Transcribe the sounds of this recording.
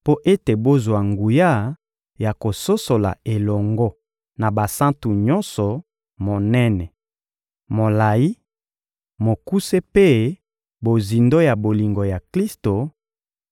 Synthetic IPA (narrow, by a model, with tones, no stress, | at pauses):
po˦ʔe˦te˨bo˦zwa˨ŋɡu˨ja˦ | ja˨ko˨so˦so˨la̰˨e˨lɔ˨ŋɡɔ˦ | na˨ba˨sã˦ntu˨ɲɔ˦nsɔ˨ | mo˨nɛ˦nɛ˨ | mo˨la˨ji˦ | mo˨ku˦se˦pe˦ | bo˨zi˨ndo˦ja˨bo˨li˨ŋɡo˨ja˨kli˦sto˨